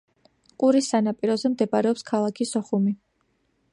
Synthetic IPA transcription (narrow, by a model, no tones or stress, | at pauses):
kʼuɾisːanapʼiɾɔzɛmd̪ɛbaɾɛɔpskʰalˠakʰisɔχumi